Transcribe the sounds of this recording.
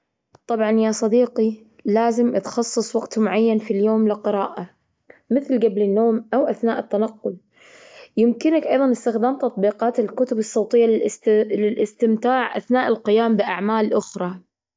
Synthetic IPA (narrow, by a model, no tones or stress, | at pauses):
t̪ˤɑbʕɑnjasˤɑd̪iːqi | laːzɪmʔat̪xɑsˤːɨsˤwaɡt̪mʊʕajːanfiljoːmlɪqɨɾɑːʔa | mɪθlɡablɪnːoːmʔawʔaθna̰ːʔɪt̪ːanɑqːʊl | jɪmkɪnakʔɑjðˤɑnɪst̪ɪxd̪aːmt̪ɑt̪ˤbiːqɑːt̪ɪlkʊt̪ʊbɨsˤːowt̪ˤɪjːalɪlʔɪst̪ɪmt̪aːʕʔa̰θnaːʔɪlqɪjaːmbɪʔaʕmaːlʔʊxɾˤɑ